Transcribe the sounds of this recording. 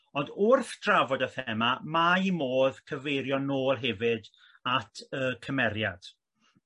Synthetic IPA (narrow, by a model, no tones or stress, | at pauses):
ɔndʊrθd̥ravɔdəθɛmamaimoːðkʰəvejɾjɔnoːlˠɦɛvɨd | atʰəːkʰəmɛɾja̰d̥